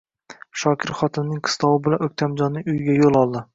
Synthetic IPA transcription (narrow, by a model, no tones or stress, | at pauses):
ʃɒkʲʰɪɾχɒt̪ʰɪnnɪŋqʰɨ̥st̪ʰɒwɪbɪlanɵk̚ʲt̪ʰamd͡ʒɒnːɪŋʊjɪɡʲajolˠɒlˠd̪ɪ